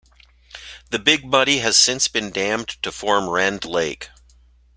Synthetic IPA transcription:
ðɨbɪɡ̚bʌɾiɨz̥sɪ̃nsb̥ɨ̃ndæ̃mtʰɨfɔɹmɹɛ̃ndleɪk

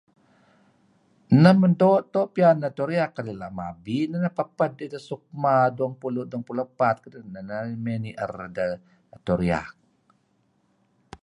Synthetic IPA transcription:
nəməndoʔt̪oʔpianət̪uɾiakːaɾilaʔmabinənəpəpədid̪əsuk̚maduəŋpuluʔduəŋpulupat̪̚kədənːənəmeniʔə̰rdə | t̪uɾia̰k̚

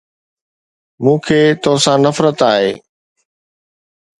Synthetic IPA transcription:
mũːkʰeːt̪oɦsãnɐfɾət̪aːɦeː

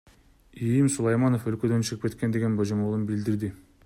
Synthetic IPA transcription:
ijimsulˠɑjmɑnofølkø̞d̪ø̞nt͡ʃʰɯʁɯpke̞t̪kend̪e̞ɡʲe̞nbod͡ʒomolˠɯnbild̪iɾd̪ɪ

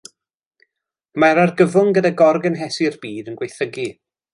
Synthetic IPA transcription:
maɾarɡəvʊŋɡədaɡɔrɡənɦɛsɪrbiːdənɡwejθəɡi

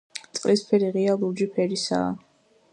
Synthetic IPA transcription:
t̪sʼqʼlispʰɛɾiʁialˠud͡ʒipʰɛɾisa̰ː

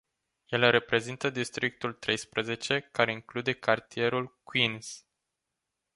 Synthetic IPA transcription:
je̞lre̞pɾe̞zint̪əd̪ist̪ɾik̚t̪ult̪ɾe̞jspɾəze̞t͡ʃe̞kaɾe̞iŋklud̪e̞kʰart̪ie̞ɾulkwins

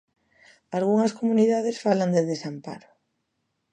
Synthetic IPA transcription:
alɣuŋɐskomuniðaðesfaland̪eðesampa̰ɾʊ

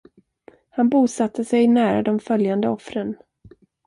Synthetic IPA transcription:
hanbuːsat̪ʰːəsɛjnæːɾa̰d̪ɔmfœljand̪əɔfɾən

